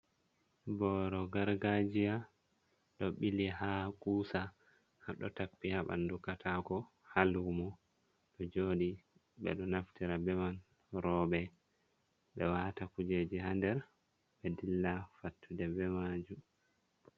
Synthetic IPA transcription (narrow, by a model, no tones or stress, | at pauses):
bɔɾɔɡaɾɡad͡ʒija | ɗɔɓilihakʼuːsa | haɗɔtakːihaɓa̰ndukatʰakɔ | halumɔ | ɗɔd͡ʒoːɗi | ɓɛ̰ɗɔnaftiɾabɛman | ɾɔɓɛ | ɓɛwaːtakud͡ʒed͡ʒiɦandɛɾ | bɛdilːafatʰːudɛbɛmad͡ʒum